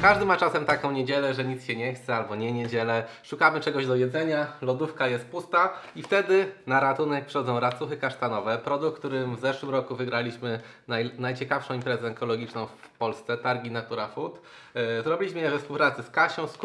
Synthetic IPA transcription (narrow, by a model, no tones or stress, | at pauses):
kaʐd̪ɘmat͡ʂasɛmt̪akɔ̃w̃ɲed͡ʑɛlɛʐɛɲit̪sɕɛɲɛxt̪sɛalbɔɲɛɲed͡ʑɛlɛʂukamɘt͡ʂɛɡɔʑd̪ɔjɛd̪zɛɲalɔd̪ufkajɛst̪̚pust̪aift̪ɛd̪ɘnaɾat̪unɛk̚pʂɛ̥xɔd̪zɔ̃w̃ɾat̪suxɘkaʂt̪anɔvɛpɾɔd̪ukːt̪uɾɘmvzɛʂwɘmɾɔkuvɘɡɾalʲiɕmɘ | najnajt͡ɕɛkafʂɔ̃w̃impɾɛzɛɛŋkɔlɔɡʲit͡ʂnɔ̃w̃f | pɔlst̪sɛt̪aɾɡʲinat̪uɾafut̪ | zɾɔbʲilʲiɕmɘjɛvɛfspuwpɾat̪sɘskaɕɔ̃w̃sk